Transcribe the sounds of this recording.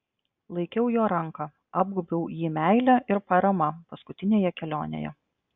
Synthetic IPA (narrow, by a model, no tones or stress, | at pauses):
lˠɐɪkʲɛʊjoːɾɐŋkɑ | ɑːb̚ɡʊbʲɛʊjiːmʲæɪlʲæʔɪɾpɐɾɐmɐpɐskʊt̪ʲɪnʲeːjɛkʲɛlʲoːnʲḛːjɛ̰